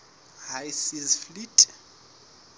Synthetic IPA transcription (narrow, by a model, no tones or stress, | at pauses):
hajsizflitʼ